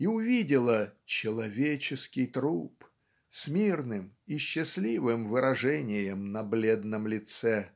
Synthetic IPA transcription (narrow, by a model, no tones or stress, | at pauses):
iʊvʲidʲɪlˠət͡ɕɪlˠɐvʲet͡ɕɪskʲɪjt̪ɾup | smʲirnɨmiɕːɪsʲlʲivɨmvɨɾɐʐɛnʲɪjəmnɐblʲed̪nəmlʲɪt̪sɛ